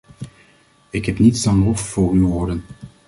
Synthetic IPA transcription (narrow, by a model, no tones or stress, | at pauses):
ɪkɦɛpnitsdɑnlɔffʊːryʋoːɹdən